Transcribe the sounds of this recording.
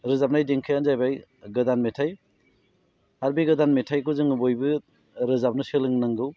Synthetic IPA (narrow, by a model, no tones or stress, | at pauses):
ɾɯzap̚najdeŋkʰɯjanzajbaj | ɡɯdanmetʰaj | haɾbiɡɯdanmetʰajkuzɯŋɯbojbɯ | ɾɯzap̚nɯselɯŋnaŋɡɯw